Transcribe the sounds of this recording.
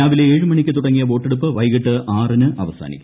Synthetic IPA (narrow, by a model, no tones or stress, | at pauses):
aːʋileeːɻɨmɐɳikʲːɨt̪uɽɐŋːijɐbo̞ːʈːeɽup̬ːɨʋɐjɣiʈːɨʔaːrɐnɨʔɐʋɐsa̰ːnḭkʲːum